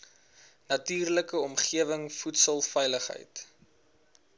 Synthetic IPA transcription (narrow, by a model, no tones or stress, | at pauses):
nɐtiːrləkəɔmχiəvəŋfutsəlˠfɛjləχɦə̰jt